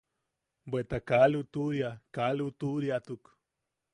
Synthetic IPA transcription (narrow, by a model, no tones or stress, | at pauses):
bʷet̪akalut̪uɾjakalut̪uɾjat̪uk